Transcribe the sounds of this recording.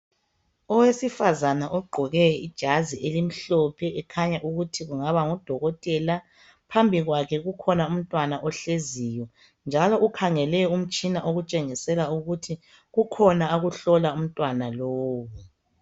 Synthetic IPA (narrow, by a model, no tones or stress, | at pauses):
ɔwesifazanaʔɔɡ͡ǃʱɔɣɛid̥ʒ̥ʱaziʔelim̩ɬɔpʰɛʔɛkʰaɲaʔuɣutʰiɣuŋaβaŋɔd̥ʱɔɣɔtʼɛla | pʰambʱiɣwakʰɛɣukʰɔnaum̩tʼwanaʔɔɬezijɔ | nd͡ʒʱalɔʔukʰaŋɛlɛum̩t͡ʃʼinaʔoɣut͡ʃʼeŋisɛlauɣutʰi | ɣukʰɔnaoɣuɬɔlaum̩tʼwanaloːwu